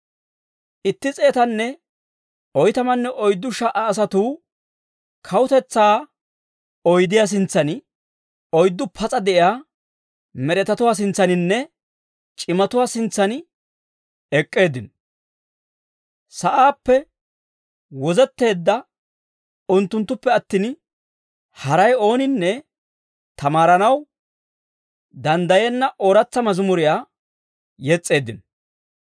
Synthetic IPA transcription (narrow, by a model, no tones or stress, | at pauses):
ʔɪt̪ːɪt͡sʼe̞ːt̪ɐnːɛ | ɔjt̪ɐmɐnːɛʔɔjd̪ːʊʃɐʔɐːs̬ɐt̪uː | kʰɐwʊt̪ɛt͡sːaː | ɔjd̪ɪjas̬ɪnt͡sːɐnɪ | ɔjd̪ːʊpʰɐt͡sʼɐd̪ɛʔɪjaː | mɛɾɛt̪ɐt̪ʊwaːs̬ɪnt͡sːɐnɪnːɛ | t͡ʃʼɪmɐt̪ʊwaːsɪnt͡sːɐnɪ | ɛkʼːe̞ːd̪ɪn | sɐʔaːpːɛ | wɔzɛt̪ːe̞ːd̪ːɐ | ʊnt̪ːʊnt̪ːʊpːɛɐt̪ːiːn | hɐɾɐjo̞ːnɪnːɛ | t̪ɐmaːɾɐnɐw | d̪ɐnd̪ɐjɛnːɐʔoːɾɐt͡sːɐmɐzʊmʊɾɪjaː | jɛt͡sʼːe̞ːd̪ɪn